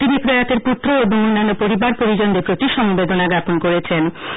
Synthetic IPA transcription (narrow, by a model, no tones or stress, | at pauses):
t̪inipɾojat̪eɾput̪ːɾoobʱoŋonːanːopoɾibaɾpoɾid͡ʑond̪epɾot̪iʃɔmbed̪onaɡaponkoɾet͡ɕʰen